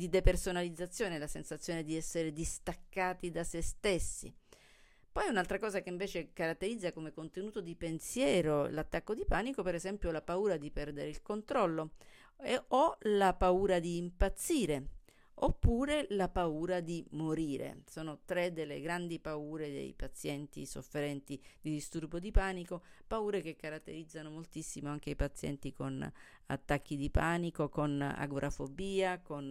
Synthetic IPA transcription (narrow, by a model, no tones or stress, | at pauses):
d̪id̪epersonalid̪zːat̪sːjoːnelasensat̪sːjoːned̪iɛsːeɾed̪ist̪akːaːt̪id̪asest̪esːḭ | pɔjɛunalt̪ɾakɔːzakeiɱveːt͡ʃekaɾat̪ːeɾid̪zːakomekont̪enuːt̪od̪ipensjɛːɾolat̪ːakːod̪ipaːnikopeɾezɛmpjolapauːɾad̪ipɛrd̪eɾeilkont̪ɾɔlːo | ɔlapauːɾad̪iːmpat̪sːiːɾe | opːuːɾelapauːɾad̪imoɾiːɾḛsoːnot̪ɾed̪elːḛɡɾand̪ipauːɾed̪ḛjpat̪sjɛnt̪ḭso̰fːeɾɛnt̪id̪id̪ist̪urbod̪ipaːnikopauːɾek̟ekːaɾat̪ːḛɾid̪zːanomolt̪isːimoaŋk̟eipat̪sːjɛ̰nt̪iko̰n | a̰t̪ːakːid̪ipaːnikokona̰ɡɾʔafobiːakon